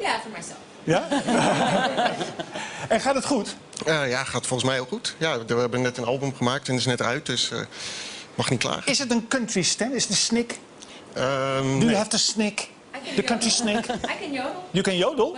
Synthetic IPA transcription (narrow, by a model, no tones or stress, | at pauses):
ja | ɛ̃nχaːtdətχut | əjaχaːtfɔlˠənsmɛjolˠxutjadəɛbənɛtənɑlˠbəmχəmaːk̚tɛnɪsnɛtœɥt̚døsə̰ | mɑχnitkla̰ːxɪsətənkøntʋistɛnɪstəsnɪk | ədyəɦɛftəsnɪk | dəkəntɹisnɪk | jəkɛnjowdəlˠ